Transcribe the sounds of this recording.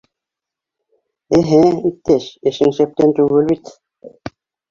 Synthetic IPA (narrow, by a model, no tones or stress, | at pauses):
æɦæit̪ːæʃɘ̆ʃɘ̆ŋʃæp̚t̪ænt̪ʉɣɘlβit̪